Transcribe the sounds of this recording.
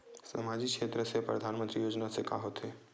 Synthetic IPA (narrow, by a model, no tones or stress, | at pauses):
sɐmaːd͡ʒikʃeːt̪ɾəsepɾə̰d̪ʱaːnmə̃nt̪ɾijoːd͡ʒnasekʰa̰ɦoːt̪ɦeː